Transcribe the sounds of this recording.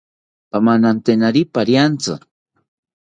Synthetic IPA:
pamanant̪enaɾipaɾjant͡sʊ̰

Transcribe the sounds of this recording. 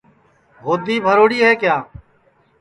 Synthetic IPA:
ɦoːd̪iːbʱəɾoːɽiːɦeːkjaː

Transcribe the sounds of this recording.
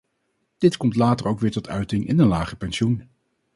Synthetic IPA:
d̥ɪtkɔmtlaːtəɹowkʋɪːɹtɔtʰœɥtɪŋʔɪ̰nənlaːχəpɛnʃun

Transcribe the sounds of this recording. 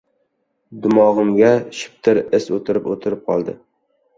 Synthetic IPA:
d̪ʊmɒʁɨmɡʲaʃɪ̥p̚t̪ʰɪɾɪsot̪ʰɪɾɪpot̪ʰɪɾɪp̚qʰɒlˠd̪ɪ̰

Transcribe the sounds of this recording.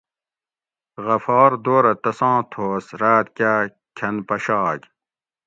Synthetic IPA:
ɣɐfɑːɾd̪oːɾɐt̪ɐsɑ̃ːt̪ʰoːsɾaːt̪kʲa | kʰɐnpɐɕɑːk

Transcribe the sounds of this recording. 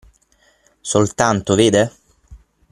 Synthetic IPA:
solt̪ant̪oveːd̪e

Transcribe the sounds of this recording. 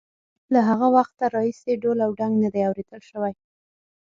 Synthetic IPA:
laɦaɣawaxt̪aɾɑiseɖolawɖaŋɡnad̪ajawɾed̪əlʃəwaj

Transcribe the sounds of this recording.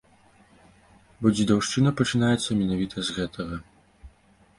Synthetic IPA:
bɔd͡zʲid̪awʂt͡ʂɨnɐpɐt͡ʂɨnajɛt̪sːɐmʲɛnavʲit̪ʰɐzɣɛt̪ʰɐɣɐ

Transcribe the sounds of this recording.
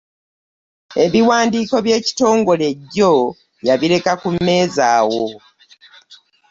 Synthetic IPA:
e̞βiwaːndiːko̞βje̞ːci̥to̞ːŋɡo̞le̞ɟːo̞ | jaβile̞kakumːe̞ːzaːwo

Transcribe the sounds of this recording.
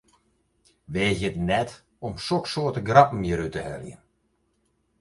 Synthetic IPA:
ʋeːzjətnɛt | ɔmsoksoːətəɡrapm̩jəɾytəhɛ̰ljə̰n

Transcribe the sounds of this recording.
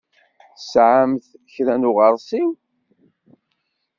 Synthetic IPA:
sʕamθçɾænʊʁəɾˤsiw

